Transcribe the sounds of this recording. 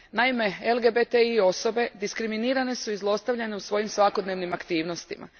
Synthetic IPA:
naime̞elˠɡe̞bet̪eio̞so̞be̞d̪iskɾiminiːɾane̞suizlˠo̞st̪aʋʎane̞usʋo̞jimsʋako̞d̪ne̞ːʋnimakt̪iːʋno̞st̪imʔa̰

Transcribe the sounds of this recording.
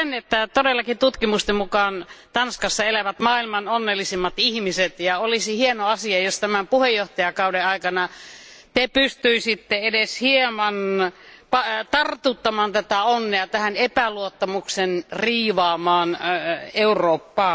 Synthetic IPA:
enet̪ːæt̪odelːɑkit̪ut̪kimust̪emmukɑːnt̪ɑnskɑsːɑelæʋæt̪mɑːilmɑnonːelːisimːɑt̪ihmiset̪jɑolisihienoɑsiɑjost̪æmæmpuhejːoht̪ɑjɑkɑudeɑikɑnɑt̪epyst̪yisit̪ːeedeshiemɑnpɑt̪ɑrt̪ut̪ːɑmɑnt̪æt̪æonːeɑt̪æhænepæluot̪ːɑmuksenriːʋɑːmɑːneuroːpːɑː

